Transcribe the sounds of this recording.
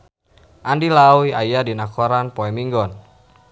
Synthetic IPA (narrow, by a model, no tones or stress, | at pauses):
ʔandilawiajadinakɔɾanpɔɛmiŋɡɔn